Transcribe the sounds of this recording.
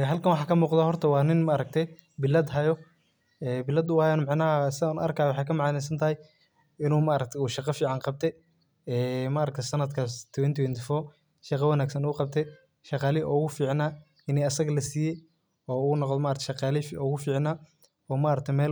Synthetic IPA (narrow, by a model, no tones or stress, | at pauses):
ɛɦɐlkʰɐnwɑħɑːkʰɐmuːqd̪aːɦɔrt̪ʰɐwɑːnɪnmaːɾɐk̚t̪ʰɛ | bɪlɐd̪ɦɐjɔ | ɛːbɪlɐd̪ʊajɛnmɑʕnɐɦɐsɪauːnʔɐ̰rkʰaːjwħɑjkʰɐmɑʕnɛs̬ɐnt̪ʰɐhɛj | ɪnuːmaʔːɾɐk̚t̪ʰɛuːʃɑqɑfiːʕɑnqɑb̚t̪ʰɛ | ɛːmaːɾɐkt̪ʰsɐnɐd̪kʰast̪ʰwɛnt̪ʰwɛnt̪ʰɪfɔː | ʃɑqɐwɐnaːɡsɐnːqɑb̚t̪ʰɛ | ʃɑqɑːlɪʔɔ̰ːɣʊfiːʕnaː | ɪnɛːɐsɐɣɐlɐsiːjɛ | ɔːuːnɔqd̪ɔmaʔːɾɐkt̪ʰɛʃɑqɑːlɪfɔːɣʊfiːʕnaː | ɔːmaʔɾɐk̚t̪ʰɛmɛːl